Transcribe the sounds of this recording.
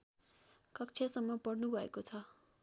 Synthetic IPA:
kʌkt͡sʰjasʌmːʌpʌɽnubʱʌḛkot͡sʰʌ

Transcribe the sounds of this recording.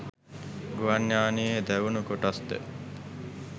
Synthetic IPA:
ɡuʋanːaːniːɦed̪æʋunukoʈasd̪ə̰

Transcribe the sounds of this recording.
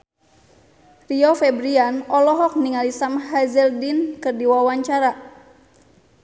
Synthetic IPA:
riɔfɛbɾianɔlɔɦɔk̚niŋalisamɦazɛldinkɨrdiwawaɲt͡ʃaɾa

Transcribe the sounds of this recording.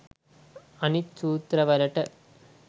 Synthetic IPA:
ɐnit͡ʃuːt̪ɾɐʋɐɾɐʈːɐ

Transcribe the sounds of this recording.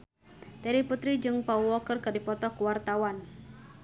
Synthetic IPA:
t̪ɛɾiput̪ɾid͡ʒɨŋpauwɔkərkadipɔt̪ɔkuwart̪awan

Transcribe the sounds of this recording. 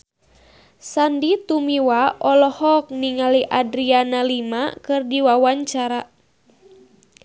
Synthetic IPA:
sandit̪umiwaʔɔlɔhɔk̚niŋaliʔadɾianalimakɨrdiwawaɲt͡ʃaɾa

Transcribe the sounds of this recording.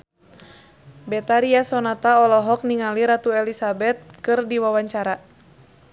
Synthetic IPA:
bɛt̪aɾiasɔnat̪aɔlɔɦɔk̚niŋaliɾat̪uɛlisabɛt̪̚kɨrdiwawaɲt͡ʃaɾa

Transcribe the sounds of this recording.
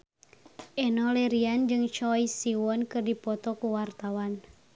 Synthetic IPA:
ʔɛnɔlɛɾiand͡ʒɨŋt͡ʃɔjsiwɔnkɨrdipɔt̪ɔkuwart̪awan

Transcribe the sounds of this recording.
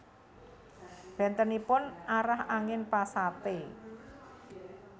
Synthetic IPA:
b̥ɛ̤nt̪ənipʊnaɾahaŋɪnpasat̪e

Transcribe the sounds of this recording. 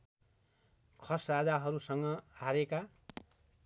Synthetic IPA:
kʰʌsrad͡zaɦʌɾusʌŋɡʌaɾeka

